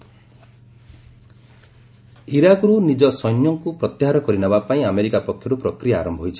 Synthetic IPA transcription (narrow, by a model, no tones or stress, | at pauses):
iɾakɔɾunid͡ʒɔsɔjnjɔŋkupɾɔt̪jaɦaɾɔkɔɾinɔbapaĩameɾikapɔkʰːjɔɾupɾɔkɾijaːɾɔmbʱɔɦjt͡ʃʰi̥